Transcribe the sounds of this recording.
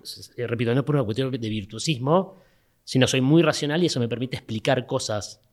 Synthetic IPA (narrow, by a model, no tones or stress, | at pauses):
repit̪ono̞poɾunakwet̪jod̪e̞βiɾt̪wosizmo̞ | sino̞so̞jmujrasjo̞nalie̞so̞me̞peɾmit̪eːhplikaɾko̞sas